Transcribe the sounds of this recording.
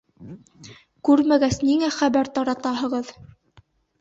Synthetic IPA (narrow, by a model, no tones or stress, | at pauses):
kʉɾmæɡæsniŋæχæβæɾt̪ɑɾɑt̪ɑɦɤ̆ʁɤð